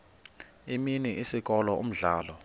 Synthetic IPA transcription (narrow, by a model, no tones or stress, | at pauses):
iminiʔisik̬ʼɔlɔṵm̩ɮaːlɔ